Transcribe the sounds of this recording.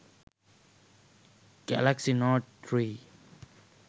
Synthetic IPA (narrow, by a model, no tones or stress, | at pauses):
ɡ̥alaksinɔtɹi